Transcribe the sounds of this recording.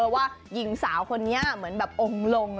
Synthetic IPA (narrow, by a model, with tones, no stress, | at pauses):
waː˥˩ji˨˩˦ŋsaː˩˦wkʰo˧nːi˦˥mɯ˩˦ənbɛː˨˩p̚ʔo˧ŋlo˧ŋ